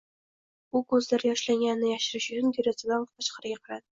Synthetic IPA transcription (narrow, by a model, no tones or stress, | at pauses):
ʊkʰɵzlaɾjɒʃlaŋɡʲanɪnɪjaʃɪɾɪʃjʊnɡ̪ʲeɾasɪd̪ant̪ʰɑt͡ʃqʰɑɾɪɡʲaqʰɑɾad̪ɪ